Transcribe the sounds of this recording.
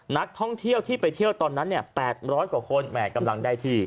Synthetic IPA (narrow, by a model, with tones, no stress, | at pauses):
na˦˥k̚t̪ʰɔ˥˩ŋt̪ʰi˥˩əwt̪ʰiː˥˩pa˧jt̪ʰi˥˩əwt̪ɔː˧nːa˦˥nːi˥˩pɛː˨˩t̪̚ɾɔː˦˥jkwaː˨˩kʰo˧nmɛː˨˩ka˧mla˧ŋdaː˥˩jt̪ʰiː˧